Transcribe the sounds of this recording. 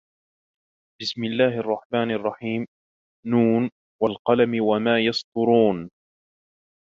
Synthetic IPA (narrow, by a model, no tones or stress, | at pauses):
bɪsmɪlːaːhɑrˤːɑħmaːnɑrˤːɑħiːm | nuːn | walqɑlamɪwamaːjɑst̪ˤʊɾuːn